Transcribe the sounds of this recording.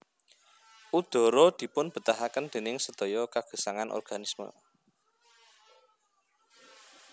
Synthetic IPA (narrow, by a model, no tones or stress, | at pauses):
ʔud̪̥ɔ̤ɾɔd̪̥i̤pʊnb̥ə̤t̪aɦakənd̪̥e̤nɪŋsəd̪̥ɔjɔkaɡ̥ə̤saŋanʔɔ̰rɡ̥anismə̰